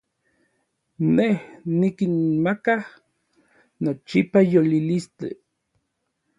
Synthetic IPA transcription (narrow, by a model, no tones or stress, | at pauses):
nehnikinmakah | not͡ʃipajolilistḛ